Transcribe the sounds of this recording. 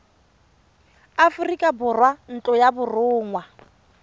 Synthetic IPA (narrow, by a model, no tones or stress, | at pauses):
afʊrikʼabʊrwan̩t͡ɬʼɔjabʊrʊːŋwa